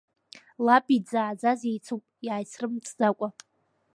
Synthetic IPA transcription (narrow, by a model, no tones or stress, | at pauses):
lapʼid͡zaːd͡zazejt͡sʰupʼjaːjsrɨmt͡sʼd͡zakʷʼa